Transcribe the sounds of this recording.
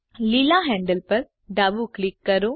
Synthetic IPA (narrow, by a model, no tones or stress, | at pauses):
lilaːɦɛ̃ɳɖəlpɐɾ | ɖaːbuːklɪkːɐɾoː